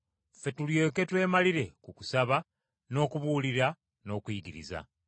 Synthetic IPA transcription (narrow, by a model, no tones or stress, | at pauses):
fe̞tulje̞ːke̞twe̞ːmaliɾe̞kuku̥saβa | no̞ːkuβuːliɾa | no̞ːkuiɡiɾḭza̰